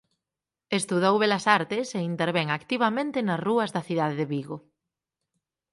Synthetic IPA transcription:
est̪uðowβelɐsaɾt̪ɪseint̪eɾβeŋakt̪iβ̞ɐmẽnt̪ɪnɐsruɐzðɐθiðaðeðeβiɣo

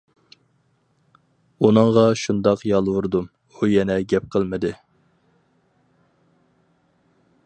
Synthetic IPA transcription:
unɨŋʁɑʃund̪ɑqjɑlˠwuɾd̪um | ujɛnɛɡʲɛp̚qʰəlˠmɨd̪ɨ

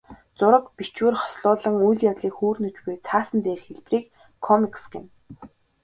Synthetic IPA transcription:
t͡sʊɾə̆kpit͡ɕwuːrχɔ̥sɮʊːɮə̆ŋujɮjawɮiːkxuːrnɵt͡ɕpujt͡sʰaːsə̆nt̪eːrxeɮpriːk | kʰːɔmiksɡɪ̰̆m

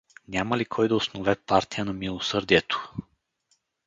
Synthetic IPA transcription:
nʲamɐlikʰɔjd̪ɐosnovɛpaɾt̪ijənɐmilˠosɤɾd̪iɛt̪o̥

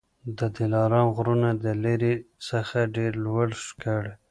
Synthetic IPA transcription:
d̪əd̪ilɑɾɑmɣɾunad̪əleɾisəxaɖeɾlwaɽʃkəɽe

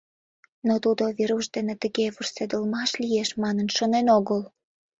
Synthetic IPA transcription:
not̪ud̪oβeɾuʃd̪enet̪əɣeβursed̪əlmɑʃlijeʃmɑnənʃonenoɣəl

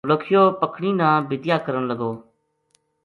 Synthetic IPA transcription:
ləkʰjoːpəkʰɳ̃iːnãːbɪd̪jaːkəɾəɳləɡoː

